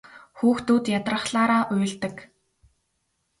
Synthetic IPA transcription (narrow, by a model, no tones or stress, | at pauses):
xuːxt̪uːt̪jat̪rə̆χɮaːɾaːʔʊj̆ɮt̪ə̆k